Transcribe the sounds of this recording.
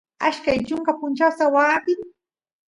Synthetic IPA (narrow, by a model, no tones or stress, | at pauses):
aʃkajt͡ʃʊŋkapʊnt͡ʃawsawaːpɪŋ